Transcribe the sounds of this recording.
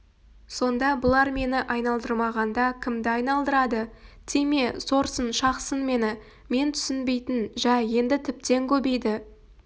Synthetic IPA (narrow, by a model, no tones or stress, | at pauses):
so̞nd̪ɑbʊlˠɑɾme̞nɪʔɑjnɑlˠd̪əɾmɑʁɑnd̪ɑkʲʰɪmd̪ɪɑjnɑlˠd̪əɾɑd̪ət̪ʰeme̞so̞ɾsənʃɑqsənme̞nɪ | me̞nt̪ʰʏ̥sɪnbe̞jt̪ɪnʒæje̞nd̪ɪt̪ʰɪp̚t̪e̞ŋkʲʰɵbejd̪ɪ